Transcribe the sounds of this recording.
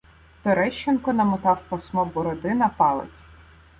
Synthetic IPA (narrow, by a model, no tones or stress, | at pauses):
t̪ɔɾɛʃt͡ʃːenkɔnɐmʊt̪ɑwpɐsmɔbɔɾɔd̪ɪnɐpɑlˠḛt͡sʲ